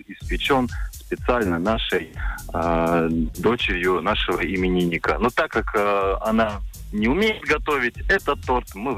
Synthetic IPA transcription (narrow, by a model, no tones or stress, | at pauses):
ɪspʲɪt͡ɕo̞nspʲɪt̪sɨalʲnənaʂəj | d̪o̞t͡ɕɪɾʲjʊnaʂɨvəɪmʲɪnʲinʲːɪkənot̪akːakɐnanʲɪʊmʲejɪt̪ɡɐt̪o̞vʲɪtʲɛt̪ət̪ːo̞rt̪mɨv